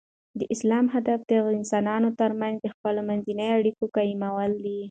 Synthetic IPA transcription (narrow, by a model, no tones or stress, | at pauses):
d̪əʔɪslɑmɦad̪afd̪əɪnsɑnɑnot̪əɾmanzd̪əxpəlomanzinəjaɽikokajimawəld̪i